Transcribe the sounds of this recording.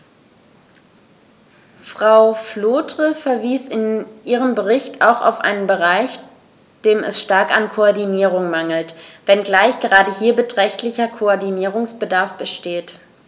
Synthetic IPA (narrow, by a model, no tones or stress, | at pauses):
fʁ̥aʊfloːtʁ̥əfɛɐviːsɪnʔiːʁ̞əmbəʁɪçtʰa̰ʊxa̰ʊfʔa̰ɪnənbəʁaɪç | d̥eːmɛ̰sʃtaɐkankʰoɔɐdiniːʁ̞ʊŋmaŋl̩tv̥ɛnɡlaɪçɡ̥əʁaːdəhiːɐbətʁ̥ɛçtlɪçɐkʰoɔɐdiniːʁʊŋsb̥ədaɐfb̥əʃteːt